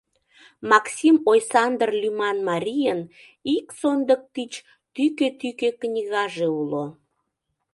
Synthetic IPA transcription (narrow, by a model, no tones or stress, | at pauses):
mɑksʲimojsɑnd̪ərlʲymɑnmɑɾʲijən | iksond̪ək̚t̪it͡ɕ | t̪yket̪ykeknʲiɣɑʒeulo